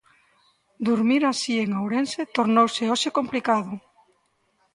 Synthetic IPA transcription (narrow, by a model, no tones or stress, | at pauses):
d̪uɾmiɾasieŋawɾenset̪oɾnowseoʃekomplikaðʊ